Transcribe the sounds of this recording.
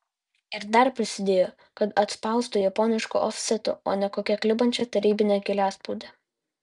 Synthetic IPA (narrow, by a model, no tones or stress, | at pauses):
ɪɾd̪ɐɾpʲɾʲɪsʲɪd̪ʲeːjoː | kɐt̪ɐt̪spɐˑʊst̪ʊjɐpɔnʲɪʃkṵʔɔfʲsʲɛt̪ʊo̰ːnʲɛkoːkʲɛklʲɪbɐnʲt͡ʃʲɛt̪ɐɾʲiːbʲɪnʲɛkʲɪlʲæːspuːd̪ʲeː